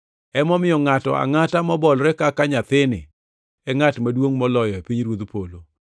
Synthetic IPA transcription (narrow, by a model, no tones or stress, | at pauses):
ɛmɔmɪjɔŋatɔ̰a̰ŋatamɔbɔlɾɛkakaɲat̪ɪnɪ̰ | ɛŋatmadwoŋmɔlɔjɔepiɲɾwod̪polo